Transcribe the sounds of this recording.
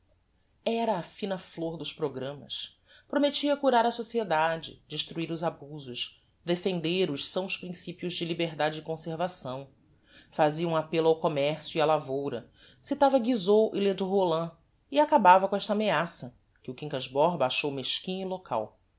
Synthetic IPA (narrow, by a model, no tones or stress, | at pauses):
ɛɾɐːfĩnɐfloɾd̪ʊʃpɾoɡɾɐ̃mɐ̰s | pɾomet͡ʃiɐkuɾaɾɐsosied̪ad͡ʒɪ̰d͡ʒɪʃt̪ɾuiɾʊzabuzʊʃ | d̪efẽnd̪eɾʊʃsɐ̃w̃spɾĩsipjʊzd͡ʒɪlibeɾd̪ad͡ʒɪɪkõseɾvasɐ̃w̃ | faziɐũapelʊawkomɛχsjuialavowɾɐ̰ | sit̪avɐɡizoʔɪled̪uɦolɐ̃ | iakabavɐkõɛʃt̪ɐameasɐ | kɪʊkĩŋkɐzbɔɾbaʃowmeʃkĩɲilokʰa̰w